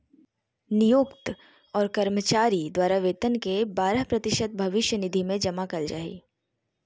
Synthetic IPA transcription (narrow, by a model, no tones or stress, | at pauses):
nijoːkt̪ | ɔːɾkɐɾmət͡ʃaːɾid̪waːɾaʋeːt̪ənkebaːɾəɦpɾɐt̪ɪʃət̪̚bʱɐʋɪʃjənɪd̪ʱimẽd͡ʒɐmakɐld͡ʒa̰ːḭː